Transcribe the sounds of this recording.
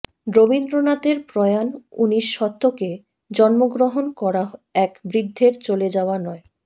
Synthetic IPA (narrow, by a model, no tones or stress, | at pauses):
ɾobind̪ɾonat̪eɾpɾɔeanuniʃːɔt̪ːoke | d͡ʑɔnmoɡɾoɦonkɔɾaɛkbɾid̪ʱːeɾt͡ɕoled͡ʑaoanɔe